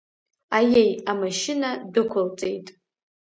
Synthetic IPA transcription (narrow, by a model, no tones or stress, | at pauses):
ajejamaʃɪnadɨkʷʰalt͡sʼe̞jtʼ